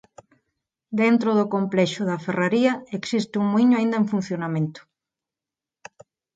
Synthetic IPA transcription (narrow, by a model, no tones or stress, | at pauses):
d̪ent̪ɾoðokomplɛʃʊðɐferaɾiɐeksist̪ɪuŋmuiɲʊaind̪ɐeɱfun̟θjonamẽnt̪ʊ̥